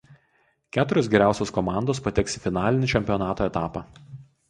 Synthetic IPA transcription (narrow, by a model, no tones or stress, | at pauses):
kʲæːt̪ʊɾʲosɡʲɛɾʲæˑʊsʲoːskɔmɑˑnd̪oːspɐt̪ʲɛksʲɪfʲɪnɑːlʲɪnʲɪˑt͡ʃʲɛmʲpʲiɔnɑːt̪oːɛt̪ɑːpɑ